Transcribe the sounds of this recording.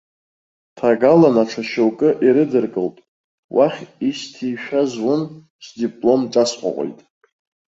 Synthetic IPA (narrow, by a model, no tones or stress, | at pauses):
tʰaɡalanaʈ͡ʂʰaʃowkʼɨʔiɾɨdɨrkʼɨltʼ | wʔaχʲistʰijʃᶣazwʊn | sdipʼlo̞mʈ͡ʂʼasqʷʼa̰qʷʼo̰jtʼ